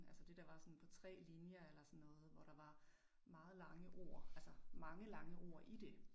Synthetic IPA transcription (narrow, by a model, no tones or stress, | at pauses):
ælsəd̥e̝d̥ɑ̈ʋɑ̈sɒ̽npʰɒ̽t͡sʰʁɛ̰ːlinjɐelɐsɒ̽nːɔ̽ːð̞̩ˠʋɒɾ̥ɑ̈ʋɑ̈ | mɑ̈ːð̩ˠlɑ̈ŋəʔo̰ɐ̰ælsɐmɑ̈ŋəlɑ̈ŋəo̝̰ːʔid̥e̝